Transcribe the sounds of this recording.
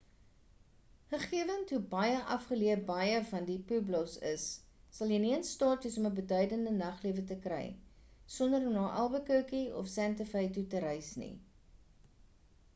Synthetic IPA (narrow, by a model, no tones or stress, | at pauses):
χəχiəvəntɦubɐjəʔɐfχəliəbɐjəfɐndipʉblɔsə̰sː | ɐlˠjəniənstɑːtəsɔməbədœɥdəndənɐχliəvətəkrɛ̰j | sɔndəɾɔmnɑːʔɐlˠbəkuwkiɔ̰fsæntəfəjtutəɾɛjsnḭ